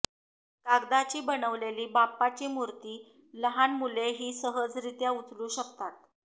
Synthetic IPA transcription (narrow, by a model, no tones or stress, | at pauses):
kaɡd̪at͡ɕiːbənəʋleliːbapːat͡ɕiːmuɾt̪iː | ləɦanmuleɦiːsəɦəd͡zɾit̪jaut͡sluːɕəkt̪at̪̚